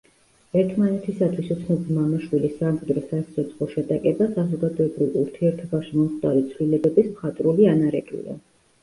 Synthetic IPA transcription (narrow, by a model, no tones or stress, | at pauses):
ɛɾt̪ʰmanɛt̪ʰisat̪ʰwisut̪sʰnɔbimamaʃwilisːamχɛd̪ɾɔsat̪sʰɔt̪sʰʼχɔʃɛt̪ʼakʼɛbasazɔɡad̪ɔɛbɾilˠuɾt̪ʰiɛɾt̪ʰɔbaʃimɔmχd̪aɾit̪sʰvlilɛbɛbismχat̪ʼɾulianaɾɛkʼḭlɛ̰